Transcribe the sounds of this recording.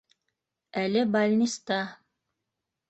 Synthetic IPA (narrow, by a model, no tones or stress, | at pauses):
ælɘbalʲnʲist̪ɑ